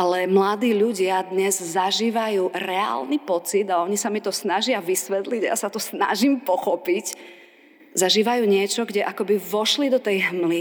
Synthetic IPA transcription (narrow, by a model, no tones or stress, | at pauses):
ʔalɛmlad̪iːʎuɟɪad̪ɲɛzzaʒiːʋajuːɾɛa̰ːlnipɔt͡sid̪aɔɲisamit̪ɔsnaʒɪaʋisʋɛt̪liɟajasat̪ɔsna̰ʒimpɔxɔpic | zaʒiːʋajuːɲɪɛt͡ʃɔɡɟɛʔakɔbiʋɔʃlid̪ɔt̪ɛjɦmli